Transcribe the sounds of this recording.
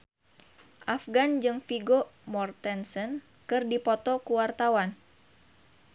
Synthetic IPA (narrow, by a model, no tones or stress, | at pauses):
ʔafɡand͡ʒɨŋfiɡomɔrt̪ɛnsən | kɨrdipɔt̪ɔkuwart̪awan